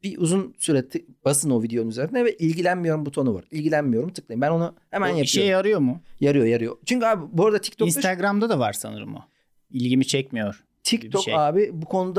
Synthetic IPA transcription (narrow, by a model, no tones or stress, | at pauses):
biʔuzunsyɾet̪ʰːɪb̥asɯno̞vid̪ejo̞nunyzeɾind̪ɛvɛʔilʲɟilʲænmijo̞ɾumbut̪ʰo̞nuva̰ɾilʲɟilʲænmijo̞ɾumt̪ʰɯ̥klˠajimbæno̞nahemænjapiʃejaɾɯjo̞mʊjaɾɯjo̞jaɾɯjo̞̰t͡ʃʰyɲcyaːbɪboɾad̪at̪ʰi̥c̚t̪ʰoinst̪ʰaɡɾamd̪ad̪ava̰ɾ̥sa̰nɯɾɯmo̰ | ilʲɟimit͡ʃʰɛc̚mijoɾ̥ | t̪ʰic̪ʰoaːbɪbukʰo̞nud̪a